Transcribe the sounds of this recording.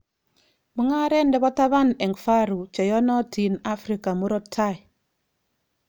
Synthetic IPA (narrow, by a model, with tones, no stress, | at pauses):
mu˦ŋa˦ɾɛ˦ndɛ˦bɔ˦ta˦βa˦nɛ˨ŋfa˦ɾu˨t͡ʃɛ˨jɔ˦nɔ˦tʰi˨na˦fɾi˨ka˨mu˦ɾɔ˦tʰːa˦˨j